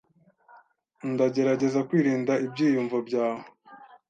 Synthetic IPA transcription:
ndaɟe̞ɾaɟe̞zakwiːɾiːndaibɟiːjuɱvabɟaːho

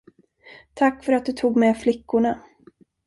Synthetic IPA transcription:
t̪ʰakːfœɾat̪̚d̪ɵt̪ʰuːɡmɛflɪkːʊɳa

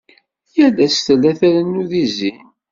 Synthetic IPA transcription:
jælæsθəlːæθæɾənːuðizin

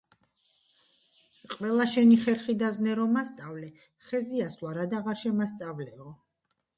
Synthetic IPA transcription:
qʼvɛlˠaʃɛniχɛɾχid̪aznɛɾɔmast̪sʼavlɛ | χɛziaslˠaɾad̪aʁaɾʃɛmast̪sʼavlɛɔ

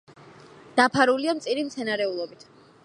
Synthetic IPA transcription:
d̪̥apʰaɾuliamt̪sʼiɾimt̪sʰɛnaɾɛulˠɔbit̪ʰ

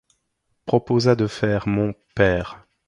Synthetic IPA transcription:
pχɔpozad̪əfɛːʁmɔ̃pɛːʁ

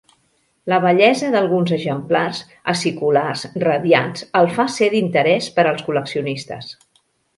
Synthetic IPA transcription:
ləβ̞əʎɛzəðəlˠɣunzəʒəmplarz | əsikularzrəðja̰zəlˠfaseðint̪əɾɛspəɾəlˠskuləksiunist̪ə̰s

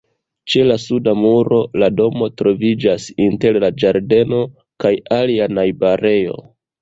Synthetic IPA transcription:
t͡ʃe̞lasudamuɾo̞lado̞mo̞tɾo̞vid͡ʒasinte̞ɾlad͡ʒaɾde̞no̞ | kajalianajbaɾe̞jo̞̰

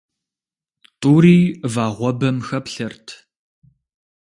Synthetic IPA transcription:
tʼuːɾiːvaːʁʷɔbɐmxɐpɬɐrtʰ

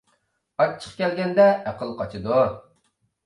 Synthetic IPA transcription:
ɑt͡ʃʰːə̥χqkʲɛlɡʲɛnd̪ɛʔæqʰəlˠqʰɑt͡ʃʰɨd̪u

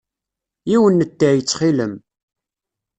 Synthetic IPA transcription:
iwənːət̪ːaʕjət͡sːχiləm

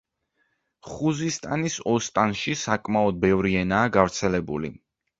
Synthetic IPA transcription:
χuzist̪ʼanisɔst̪ʼanʃisakʼmaɔd̪̚bɛvɾiɛnaːɡavɾt̪sʰɛlɛbṵlḭ

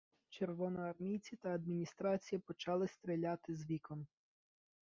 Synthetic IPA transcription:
t͡ʃerʋɔnɔɐrmʲijt͡sʲit̪ɐɐd̪mʲinʲist̪ɾɑt͡sʲijɐpɔt͡ʃɑlˠɪst̪ɾelʲat̪ɪzʋʲikɔm

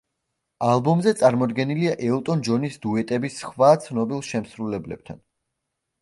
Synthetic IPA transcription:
alˠbɔmzɛt̪sʼaɾmɔd̪ɡɛniliaʔɛlt̪ʼɔnd͡ʒɔnisd̪uɛt̪ʼɛbisχvat̪sʰnɔbilˠʃɛmsɾulɛblɛb̚t̪ʰa̰n

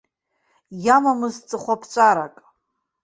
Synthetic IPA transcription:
jamamɨzt͡sʼɨχʷapʰt͡ʃʷʼaɾakʼ

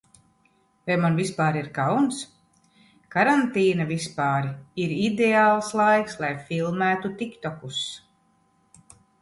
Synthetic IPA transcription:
vajmanvispaːɾiɾkawns | kaɾant̪iːnavispaːɾiiɾid̪eaːlˠslˠajkslˠajfilˠmæːt̪ut̪ikt̪ɔkus

